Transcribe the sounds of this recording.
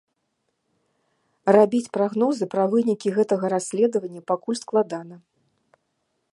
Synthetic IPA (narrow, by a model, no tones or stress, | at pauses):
rabʲit͡sʲpɾaɣnɔzɨpɾɐvɨnʲikʲiɣɛt̪ɐɣɐɾasʲlʲɛd̪ɐvɐnʲːɐpakulʲsklˠad̪anɐ